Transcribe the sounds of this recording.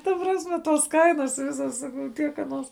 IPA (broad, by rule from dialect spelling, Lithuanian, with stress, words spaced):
tɐ ˈprɑːsʲˌmʲɛ ˈtuɔs ˈkɐɪnɐs ˈʋʲɪsɐs ˈsɑːkɐʊ ˈtʲiɛk ɐˈnuɔs